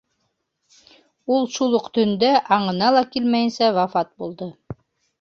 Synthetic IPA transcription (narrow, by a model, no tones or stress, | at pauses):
ulˠʃulˠoqt̪ɵ̆nd̪æʔɑɴɤ̆nɑlˠɑkilmæjɘ̆nsæwɑfɑt̪̚bulˠd̪ɤ